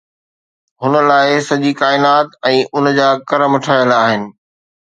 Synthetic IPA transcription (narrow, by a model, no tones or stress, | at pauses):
ɦʊnəlaːɪsɐʄikaːɪnaːt̪ɛ̃ːʔʊnd͡ʑaːkɐɾəmʈʰaːjəlaːɦɪnɪ̆